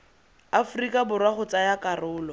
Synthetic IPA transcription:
afʊrikʼabʊrwaχʊt͡sʼajakʼarʊːlɔ

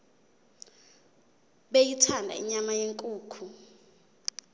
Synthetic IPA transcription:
ɓejitʰandʱa̰ḭɲamajeŋkʼuːkʰu

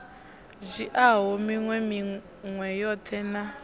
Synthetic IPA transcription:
d͡ʒiʔaɦɔmiŋwɛmi | ŋwɛjɔtʰɛna

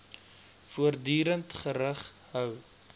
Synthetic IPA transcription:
fuərdyːɾəntχəɾəχ | ɦœw

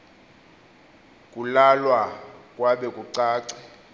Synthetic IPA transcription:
kʼulalwakʼwaɓɛkʼuǀaːǀɛ

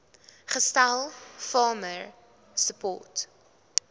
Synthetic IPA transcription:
χəstælˠfɑːməɹ | səpɔ̰ːt

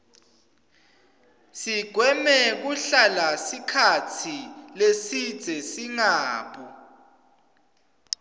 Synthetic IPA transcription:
siɡ̥ʱwɛmɛk̬uɬalasikʰatʰilesid̥z̥ʱɛsiŋaːpʰʼɔ

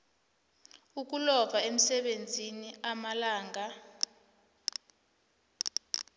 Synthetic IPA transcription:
uk̬ulɔvʱaem̩sɛɓend͡zʱiniamalaːŋa

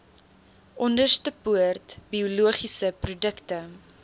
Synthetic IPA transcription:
ʔɔndərstəpuərtbiuluəχisəprudəktə

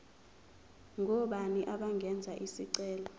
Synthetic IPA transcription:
ŋʱɔɓaniʔaɓaŋɡʱɛnd͡zʱaʔisiǀɛːlɔ

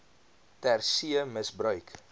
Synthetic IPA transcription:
tærsiəməsbrœɥk

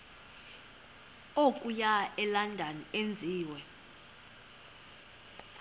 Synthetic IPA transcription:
okʼujaɛlandʱaniend͡zʱiːwɛ

